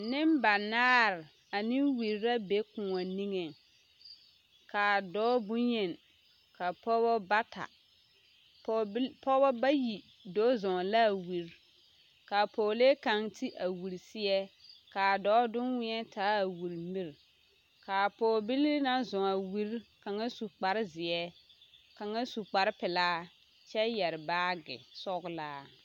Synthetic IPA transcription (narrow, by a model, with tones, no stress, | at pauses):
nɪ˦mba˨naː˦ɾ | a˨nɪ˦wi˨ɾɾa˦be˦kʊ˨ŋɔ˨ni˦ŋe˨ | kaː˨dɔː˦bʊ˦ɲe˨n | ka˨pɔ˦bɔ˦ba˦tʰa̰˨ | ppɔ˦bɔ˦ba˦ji˨ | do˦zɔ˨ŋ˨la˦˨wi˨ɾ | ka˨poː˨leː˦ka˨ŋti˦ʔa˨wu˨ɾi˨sɪ˦ɛ˦ka˨dɔː˨˦dʊ˦nwɪ˦ɛ˦taː˦a˨wu˨ɾmi˦ɾ | ka˨poː˨bi˦li˦na˦zɔ˨ŋa˨wi˦ɾka˨ŋa˦su˨k͡pa˨ɾɪ˦zɪ˨ɛ˦ka˨ŋa˦su˨k͡pa˨ɾɪ˦pɪ˨laː˦ | t͡ʃɛ˦jɛ˨ɾɪ˨baː˦ɡɪ̰˨sɔ˦ɡʊ˨˦laː˦